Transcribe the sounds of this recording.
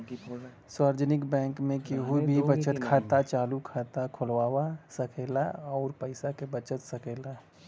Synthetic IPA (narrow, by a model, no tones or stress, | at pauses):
swaɾd͡ʒənɪkbɛ̃ːŋkmẽkeɦuibʱibət͡ʃət̪kʰaːt̪at͡ʃaːlukʰaːt̪akʰʊlʋaːwasəkʰeːlaɔːɾpəɪsakebət͡ʃət̪səkeːla